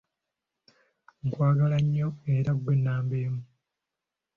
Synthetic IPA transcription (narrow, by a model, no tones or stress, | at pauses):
ŋkwaːɡalaɲːoe̞ɾaɡwenːaːmbeːmu